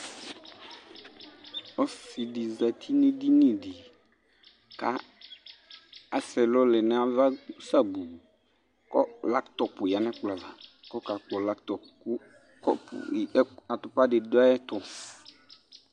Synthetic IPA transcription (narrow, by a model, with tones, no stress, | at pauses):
ɔ˦si˨di˨za˨tʰi˦nĩ˦di˦nĩ˨di˨ | ka˦ | a˨sɛ˨lɔ˦lɛ˨nɛ˦a˦va˦sa˦bu˨ | kɔ˦la˦ktɔ˨pʊ˨ja˨nɛ̃˦k͡pla˨va˨ | kɔ˦ka˨k͡pɔ˨la˦ktɔ˨pkʊ˦ | kɔ˦pa˨tʊ˨pa˦dɪ˨da˦ɛ˦tɔ˨